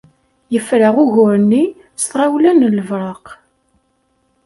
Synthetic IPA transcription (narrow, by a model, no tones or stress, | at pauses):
jəfɾaʁʊʝʊɾnːi | st̪ʁawlænləvɾˤɑq